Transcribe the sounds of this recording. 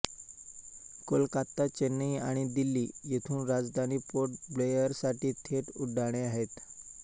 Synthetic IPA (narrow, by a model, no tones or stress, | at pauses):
kolkat̪ːat͡ɕenːiaɽ̃id̪ilːiːjet̪ʰuːnɾad͡zd̪ʱaniːpoʈblejəɾsaʈiːt̪ʰeʈuɖaɽ̃eaɦet̪